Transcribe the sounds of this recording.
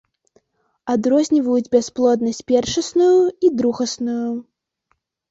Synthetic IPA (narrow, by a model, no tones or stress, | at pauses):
ad̪ɾɔzʲnʲivɐjud͡zʲbʲasplˠɔd̪nɐsʲt͡sʲpʲɛrʂɐsnujuid̪ɾuɣɐsnuju